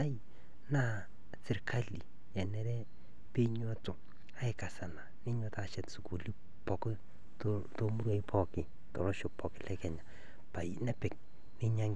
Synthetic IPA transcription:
a˦i˦ | na˦˨ | sɪ˨ɾkʰa˦li˨ | ɛ˨nɛ˦ɾɛ˦ | pe˦ɲo˦to˨ | a˦ɪ˦ka˨sa˨na˨nɪ˦ɲo˦ta˨ʃɛ˨tsu˨ku˨li˦ | pɔ˨k | t | to˦mu˦ɾa˨i˦pʰɔ˨kɪ˨ | tɔ˨ɾɔ˦ʃo˨pɔ˨kɪ˨lɛ˦kɛ˨ɲa˨ | pa˨i˦nɛ˦pɪ˨k̚ | nɪ˦ɲa˦ŋ

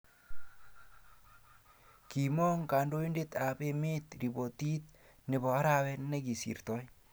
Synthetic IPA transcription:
ki˨mɔ˦ŋka˨ndo˦i˦nde˦t̪a˨pe˨me˦t̪ɾi˨bo˨t̪i˦t̪̚ | nɪ˨bɔ˨a˦ɾa˨wɛ˦nnːɛ˦ki˨sḭ˨ɾt̪ɔ˦j

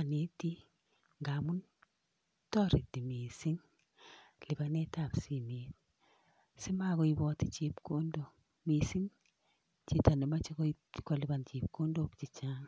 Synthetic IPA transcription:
a˨ne˨˦ti˦ | ŋɡa˨mu˦n | tɔ˦ɾi˨di˨mi˨si˦ŋ | lɪ˨ba˦nɛ˦ta˨psi˦˨me˨t | sɪ˦ma˦ɡɔ˦i˦bɔ˦ti˦t͡ʃi˦pko˦ndo˨ | mi˨si˦ŋ | t͡ʃi˨ta˨ne˨ma˦t͡ʃi˦kɔ˦ | kɔ˨lɪ˨ba˨nt͡ʃi˨p̚ko˦ndo˦kt͡ʃi˨t͡ʃa˦ŋ

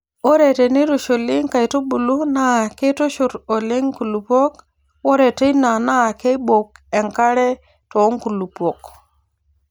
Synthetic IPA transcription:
o˦ɾe˨te˨ni˦ɾo˨ʃo˨li˦ŋka˨jto˦bu˨lu˦na˦˨ke˦to˦ʃu˨ɾo˨le˦ŋku˨lu˨pʷo˦k | wo˦ɾe˨te˦ina˨na˦˨ke˦ɓo˨ke˨ŋka˦ɾe˦ | to˨˦ŋku˨lu˨po˨k̚

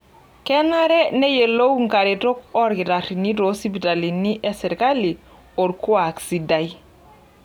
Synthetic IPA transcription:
kɛ˦na˦ɾɛ˦ne˦je˨lo˦wŋka˨ɾe˨to˦kɔ˦ɾɡi˨ɾa˨ɾi˨ni˦ɾo˨si˦bi˨ta˨li˨ni˦ʔɛ˦sɛ˨ɾka˦li˨ | o˨ɾku˦a˨ksi˨da˨ji

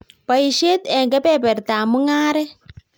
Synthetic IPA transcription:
pa˨i˨ʃe˦tɛ˨ŋɡɛ˦pɛ˦˨pɛ˨ɾtaː˨mu˦ŋaː˦ɾɛ˦

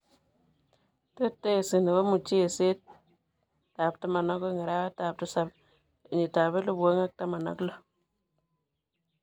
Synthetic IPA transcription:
te˦tːe˦˨si˨ni˨wa˦mu˨t͡ʃi˦e˨se˦t | ta˨p̚tu˦ma˨no˦ko˦ŋi˨ɾa˦wa˦ta˨p̚tu˦sa˨b̚ | i˨ɲi˨ta˨βe˦lu˦bu˨o˦ŋa˦k̚ta˦ma˨na̰˦klo˦

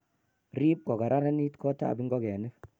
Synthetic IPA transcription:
ɾi˦p̚ko˨ɡa˨ɾa˦ɾe˦ni˦tkʰo˦ta̰˦˨bi˦ŋɡo˦ɡe˨ne˦

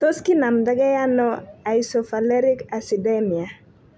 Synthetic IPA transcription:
to˦ski˦na˨md̪a˦ɡa˦ja˦nɔ˦a˨isɔ˨fa˨lɛ˦ɾɪ˦ka˨si˨de˦mi˨a˨

